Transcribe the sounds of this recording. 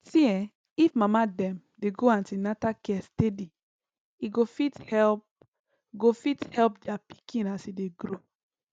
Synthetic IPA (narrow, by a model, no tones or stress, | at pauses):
siɛ̃ | ifmamadɛ̃m | deɡoãntinatakɛstedi | iɡofithɛlp | ɡofithɛlpdiapi̥kĩnasideɡɾo